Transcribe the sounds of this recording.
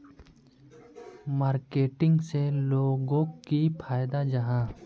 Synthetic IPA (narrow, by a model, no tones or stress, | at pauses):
maːɾkeːʈɪ̃ŋɡseloːɡõkipʰaːjd̪ad͡ʒɐɦãː